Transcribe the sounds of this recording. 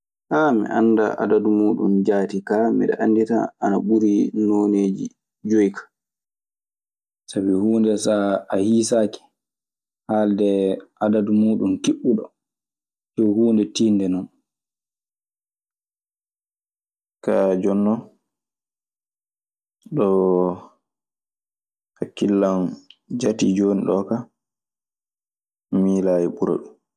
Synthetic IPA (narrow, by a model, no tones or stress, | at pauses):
hamḭʔa̰nːda̰ʔa̰dadumuːɗṵnd͡ʒaːtikamḭɗɛ̰ʔandita̰ːnaɓuɾinoːneːd͡ʒḭ | d͡ʒojkʰḁ | sabihuːndɛsaahisaːkɛ̥ | haːldɛʔadadumuːɗunkiɓuɗɔ̰ | d͡ʒɔhuːndɛtiːndɛnɔn | kad͡ʒɔnːɔn | ɗɔ | hakːilːand͡ʒatid͡ʒoːniɗɔka | miːlajiɓuɾa̰ɗum